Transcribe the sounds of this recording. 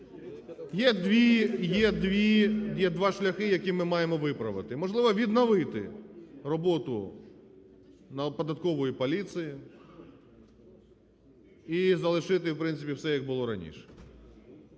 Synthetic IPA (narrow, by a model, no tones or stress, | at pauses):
jɛd̪ʋʲijɛd̪ʋʲijɛd̪ʋɑʃlʲɐxɪjɐkʲimɪmɑjemɔʋɪpɾɐʋɪt̪ɪmɔʒlˠɪʋɔʋʲid̪nɔʋɪt̪ɪ̰rɔbɔt̪ʊ | nɐpɔd̪ɐt̪kɔʋɔjipɔlʲit̪sɨji | izɐlˠɪʃɪt̪ɪwpɾɪnt̪sɪpʲiwsɛjɐɡ̚bʊlˠɔɾɐ̰nʲḭʃɛ̥